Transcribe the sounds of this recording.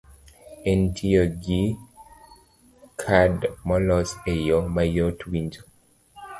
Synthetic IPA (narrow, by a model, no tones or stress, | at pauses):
ɛntʰiɔɡi | kʰadmɔlɔsejɔmajɔtʰwind͡ʒɔ